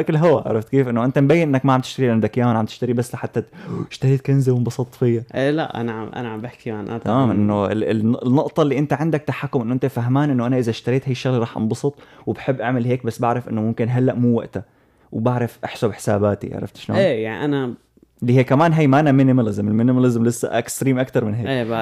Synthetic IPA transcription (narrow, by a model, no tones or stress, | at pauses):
ʔakɪlɦʊwaʕa̰ɾˤɑft̪keːfʔɪnːoʔɪnt̪ambajːɪnʔɪnːakmaʕamt̪ɪʃt̪aɾilʔand̪akjaːnʕamt̪ɪ̥ʃt̪aɾibasːlaħat̪ːaɪʃt̪aɾiːt̪̚kanzɪwɪmbɑsˤɑt̪ˤfijːaʔela̰ʔa̰naʕaʔa̰naʕambaħkiʕanʔa̰maːmʔɪnːoɪɪ̰nːʊʔt̪ˤɑlːiːʔɪnt̪aʕɪnd̪ak̚t̪aħakːʊmʔɪnːʔɪnt̪afaɦmaːnʔɪnːoʔanaʔɪzaʃt̪aɾˤiːt̪hajʃːaɣliɾˤɑːħʔɑ̰nbɑsˤɨt̪ˤwɪbħɪbːʔaʕmɪlɦeːk̚basːbaʕɾˤɑfʔɪ̰nːʊmʊmkɪnɦalːaʔmuːwa̰ʔt̪a | wbaʕɾˤɑfʔaħsubħɪ̥saːbaːt̪ḭʕa̰ʕɾˤɑ̰ft̪ʃno̰ːeːjaʕnḭʔana | lihijːkamaːnɦajːmaʔanamɪnɪmalɪzmɪlmɪnɪmalɪzmlɪsːa̰ʔɪkst̪ɾiːmʔakt̪ɑɾˤmɪnɦeːeː